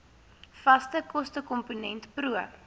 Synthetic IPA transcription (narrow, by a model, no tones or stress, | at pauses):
fɐstəkɔstəkɔmpunɛntpɾuəp